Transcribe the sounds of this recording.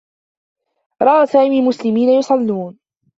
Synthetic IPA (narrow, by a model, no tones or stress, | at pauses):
ɾˤɑʔaːsaːmiːmʊslɪmiːnajʊsˤɑlːuːn